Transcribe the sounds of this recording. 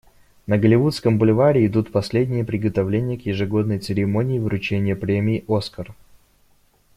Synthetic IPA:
nəɡəlʲɪvut̪skəmbʊlʲɪvaɾʲɪːd̪ut̪pɐsʲlʲedʲnʲɪjəpɾʲɪɡət̪ɐvlʲenʲɪjəkjɪʐɨɡo̞d̪nəjt̪sɨɾʲɪmonʲɪːvɾʊt͡ɕenʲɪjəpɾʲemʲɪːʔo̞skər

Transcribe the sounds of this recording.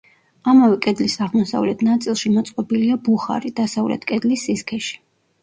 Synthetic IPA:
amavɛkʼɛd̪lisaʁmɔsa̰vlɛt̪ʰnat̪sʼilˠʃimɔt̪sʼqʼɔbiliabuχa̰ɾid̪̥asavlɛ̰t̪ʰkʼɛd̪lisːiskʰɛʃi̥

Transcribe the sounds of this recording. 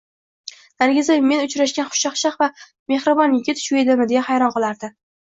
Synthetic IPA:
n̥aɾɡʲɪzajmːe̞nʊt͡ʃɾaʃɡʲanχʊ̥ʃɑχʃɑqva | me̞hɾɪbɒnɪɡʲɪt̪ʰʊ̥ʃʊed̪ɪmɪd̪ejahajɾɒnqɨlˠaɾd̪ɪ

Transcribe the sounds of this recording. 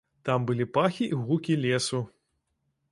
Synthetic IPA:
t̪ambɨlʲipaxʲiʔiɣukʲilʲesu

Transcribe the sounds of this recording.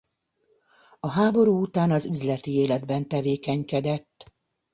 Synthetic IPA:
ɒɦaːbo̞ɾuːut̪aːnɒzyzlɛt̪ieːlɛd̪bɛnt̪ɛveːkɛɲkɛd̪ɛt̪ː

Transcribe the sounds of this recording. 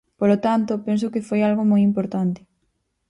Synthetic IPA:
polot̪ant̪opɛns̬okɪfojalɣomojimpoɾt̪ant̪ɪ̥

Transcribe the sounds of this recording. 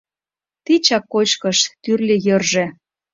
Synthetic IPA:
t̪it͡ɕɑkːot͡ɕkɤ̆ʃt̪yrlʲĕjɤ̆rʒĕ

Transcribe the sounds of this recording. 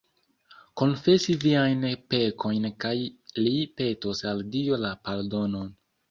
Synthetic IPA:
ko̞nfe̞siviajnpe̞kʰo̞jnkajlipe̞tosaldiolapaɾdo̞no̞n

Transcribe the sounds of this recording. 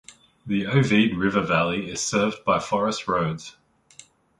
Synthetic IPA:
ðiəʊviːdɹɪvəvæliɪz̥sɜːvbaɪfɒɹəstɹəʊdz̥

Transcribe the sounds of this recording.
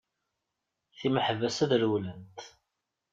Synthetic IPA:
θiməħəvæsæðɾwlənt̪

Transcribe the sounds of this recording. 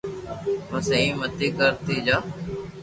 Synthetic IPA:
ʋəseĩːmət̪eːkəɾt̪eːd͡ʒaː

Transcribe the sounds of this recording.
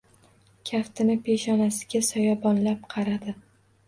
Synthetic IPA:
kʲʰaft̪ʰɪnɪpʰe̞ʃɒnasɪ̥ɡʲasɒjɒbɒnlap̚qʰɑɾad̪ɪ

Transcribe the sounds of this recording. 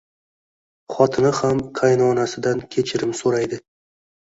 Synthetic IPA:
χɒt̪ʰɪnɪhamkʰajnɒnasɪd̪ankʲʰe̞t͡ʃʰɪɾɪmsoɾajd̪ɪ

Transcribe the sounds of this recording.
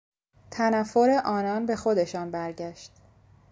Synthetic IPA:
t̪ʰænæfːoɾe̞ʔɒːnɒːnbe̞xo̞d̪e̞ʃɒːnbæɾɟæʃt̪

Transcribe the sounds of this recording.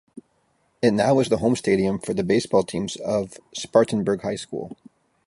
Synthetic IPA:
ɨtⁿnaʊʌzðəɦõʊ̃msteɪɾiɨ̃ɱfə˞ðɨbeɪsb̥ɔlˠtʰĩmzʌv̥spɑɹʔn̩bə˞ɡhaɪskṵlˠ

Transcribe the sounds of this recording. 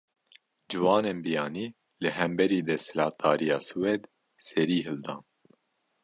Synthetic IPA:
d͡ʒɨwɑːneːnbijɑːniː | lɨhɛmbɛɾiːd̪ɛsɨlɑːt̪̚d̪ɑːɾijɑːsɨwɛd̪ | sɛɾiːɦɨld̪ɑːn

